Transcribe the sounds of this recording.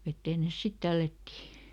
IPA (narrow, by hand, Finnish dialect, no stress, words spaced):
ʋetːeːn nes sit tælːætːiː